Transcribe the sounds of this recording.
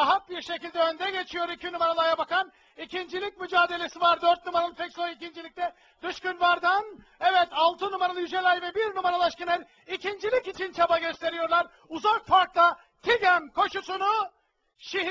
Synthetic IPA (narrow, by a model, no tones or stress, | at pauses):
aɦat̪̚biɾʃe̞cilʲd̪ɛønd̪ɛɟe̞t͡ʃʰijo̞ɾicʰinumaɾalˠajabakan | icʰind͡ʒilʲic̚myd͡ʒaːd̪e̞lʲe̞sivaɾd̪øɾt̪̚numaɾalˠɯt̪ʰɛkslʲˠojicind͡ʒilʲic̚t̪ʲɛ | d̪ɯʃcynvaɾd̪an | ɛvɛt̪ʰalˠt̪ʰɯnumaɾalˠɯjyd͡ʒelʲajvɛbiɾnumaɾalˠaʃkɯnaɾʲ | icʰind͡ʒilʲicit͡ʃʰint͡ʃʰabaɟø̞st̪ʰe̞ɾijo̞ɾlˠaɾ | uzakfaɾklˠa | t̪ʰiɟæmkʰo̞ʃusunu | ʃiɦ